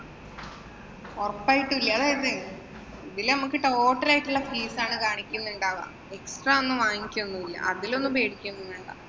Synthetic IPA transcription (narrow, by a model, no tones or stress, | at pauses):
orɐpːaːjiʈːɨilːɐɐðaːjɐðɨ | iðilnɐmukːɨʈːooːʈːɐɾaːjiʈːuɭːɐfiːsaːɳɨkaːɳikʲːunːuɳɖaːʋɐ̰ː | e̞ksʈraːonːɨʋaːŋikʲːunːuilːɐ̰ʔɐðilo̞nːɨpe̞ːɽikʲːumːunːuɳɖa̰